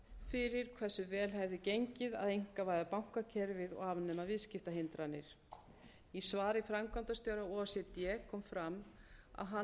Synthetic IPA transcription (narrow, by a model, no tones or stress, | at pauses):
fɪɾɪɾ̥kʰvɛ̥sːʏvɛːlɦɛvðʏcejɲcɪða̰ðejŋ̥kavaːjðapawŋ̥kacʰɛɾvɪðɔ̰ɣaːvnːɛmavɪðscɪft̪aɦɪnt̪ɾanːɪɾ̥ | isvaːɾɪfɾamkʰant̪ast̪jowɾaɔsjɛt̪jɛːkʰɔːmfɾama̰ðɦa